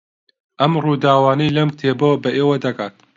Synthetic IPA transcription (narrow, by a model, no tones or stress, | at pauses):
ʔɐmruːd̪aːwaːnɐjlɐmt̪ʰeːbowbɐʔeːwɐd̪ɐkaːt̪̚